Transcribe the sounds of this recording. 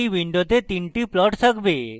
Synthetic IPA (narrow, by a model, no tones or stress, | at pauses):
iʋiɳɖot̪et̪iɳʈiplɔʈsəkbe